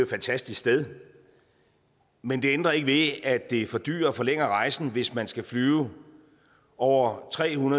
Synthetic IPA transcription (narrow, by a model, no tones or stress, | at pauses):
fænt͡sʰæsd̥isksd̥eðˠ | mend̥e̝end̥ʁɐe̝ɡ̥əʋe̝æd̥e̝fɒ̽d̥y̰ːɐfɒ̽leŋ̰ɐʁɑ̈ɪsn̩ʋe̝smænsɡ̥æflyːʊ | ɒʊ̰ɐt͡sʰʁɛ̰ːhunɐð